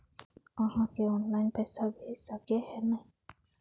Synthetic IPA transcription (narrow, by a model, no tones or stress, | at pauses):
aɦãkeɔnlajnpɛsabʱesakehɛna